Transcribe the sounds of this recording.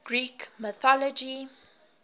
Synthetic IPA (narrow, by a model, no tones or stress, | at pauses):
ɡ̥ɹiːkməθɔlɔd͡ʒi